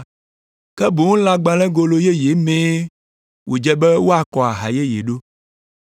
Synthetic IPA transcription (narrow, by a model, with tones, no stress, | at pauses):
kɛ˦bo˨ŋũ˦lã˨ɡ͡bã˨lɛ̃˦ɡo˨lo˨je˦je˨˦mẽ˦ | wʔo˨d͡ʒɛ˦bɛ˦wo˦a˨kɔ˨a˨ɦa̰˨je˦jḛ˨ɖo˦